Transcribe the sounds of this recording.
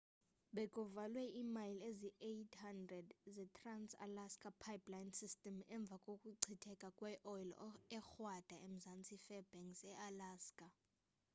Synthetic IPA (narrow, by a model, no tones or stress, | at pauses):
ɓɛkʼɔvalwɛʔimajleziʔetʰhandrɛdzɛtʰransa̰laskʼapʰajpʼlajnsistʼɛmɛɱb̪vʱakʼokʼuǀʱʰitʰɛkʼakʼwɛʔɔjlɔ̰ɛxwad̥ʱaem̩zant͡sʼifɛb̥ɛŋsɛʔalaːskʼa